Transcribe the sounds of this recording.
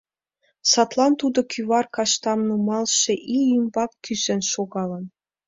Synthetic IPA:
sɑt̪lˠɑnt̪ud̪ɤ̆kʰʲyβɑrkɑʃt̪ɑmnɤ̆mɑlˠʃĕʔiimbɑkːʲyzenʃoɡɑlˠɤ̆n

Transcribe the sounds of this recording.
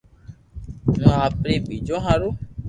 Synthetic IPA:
nũapɾeɡ͡bed͡ʒɔɦãɾo

